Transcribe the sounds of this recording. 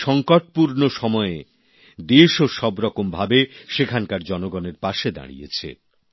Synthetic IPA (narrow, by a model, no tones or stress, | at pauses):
ʃɔŋkoʈ̚puɾnoʃɔmɔe | d̪eʃoʃɔbɾɔkombʱabeʃekʰankaɾd͡ʑɔnoɡɔneɾpaʃed̪a̰ɽḭjḛt͡ɕʰḛ